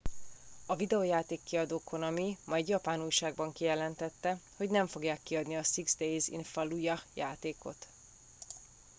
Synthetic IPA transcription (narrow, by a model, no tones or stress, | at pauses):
ɒvid̪ɛojaːt̪eːkːiɒd̪oːkʰo̞nɒmimɒjɛd̪jɒpaːnujʃaːɡ̚bɒŋkijɛlɛnt̪ɛt̪ːɛho̞ɟnɛɱfo̞ɡjaːkːiɒd̪niɒsiɡzd̪ejzḭnfɒlujɒjaːt̪eːko̞̰t̪